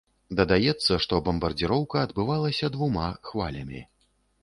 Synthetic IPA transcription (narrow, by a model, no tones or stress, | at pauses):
d̪ɐd̪ajɛt̪sːɐʂt̪ɔbɐmbɐrd͡zʲiɾɔwkɐːd̪bɨvalˠɐsʲɐd̪vumaxvalʲɐmʲḭ